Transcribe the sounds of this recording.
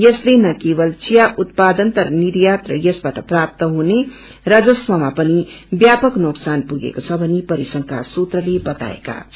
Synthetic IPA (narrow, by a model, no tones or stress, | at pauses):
jʌslenʌkebʌlt͡sijaʔut̪̚pad̪ʌnt̪ʌɾnid̪jat̪rʌ̰jʌsbaʈʌprap̚t̪ʌɦune | rad͡zʌsmʌmapʌnibjapʌknoksanpuɡḛkot͡sʰʌbʱʌnipʌɾisʌŋkʰa̰sut̪rʌlebʌt̪a̰ḛka̰